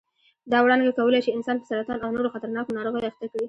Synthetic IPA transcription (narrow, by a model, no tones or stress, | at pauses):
d̪ɑwɽɑnɡakawəlejt͡ʃeɪnsɑnpəsaɾat̪ɑnawnoɾoxat̪aɾnɑkonɑɾoɣajaxt̪akɽi